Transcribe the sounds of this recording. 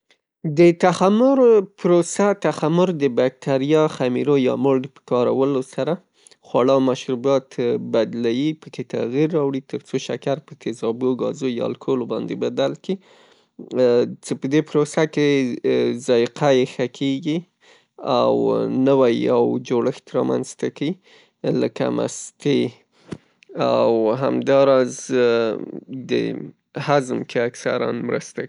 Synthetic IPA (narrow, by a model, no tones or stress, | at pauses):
d̪ət̪axamʊɾpɾosat̪axamʊɾd̪əbak̚t̪ʰaɾijɑxamḭɾojɑ̰moɽd̪pə̥kɑɾawəlosaɾa | xwaɽamaʃɾubɑt̪bad̪lawipəket̪a̰ɣiɾːɑwɽit̪əɾt͡soʃa̰kaɾpət̪ɪzɑboɡɑ̰zojɑ̰lkʰolobɑ̰nd̪ebad̪alki | t͡ʃepəd̪epɾosake | zɑjqʰajexakʰeɡi | awnəwajawd͡ʒoɽəxt̪ɾɑma̰nzt̪akai | ləka̰mʔa̰st̪e | awɦamd̪ɑɾɑz | d̪ə̰ | hazmkeaksa̰ɾa̰nmɾə̰st̪a